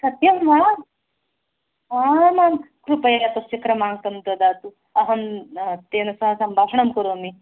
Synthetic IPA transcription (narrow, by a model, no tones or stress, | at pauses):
sɐt̪jɐmaː | amankɾupɐjat̪ot͡ʃikɾɐmaːŋɡt̪ɐmd̪ɐd̪aːt̪u | ɐɦɐnt̪eːnɐsɐɦɐsɐmbʱaːʃɐɳɐmkɐɾomi